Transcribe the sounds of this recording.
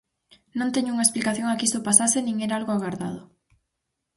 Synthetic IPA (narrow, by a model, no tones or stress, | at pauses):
nõnt̪eɲʊuŋaesplikaθjõŋakist̪ʊpasasenĩŋeɾaalɣoaɣaɾða̰ð̞ʊ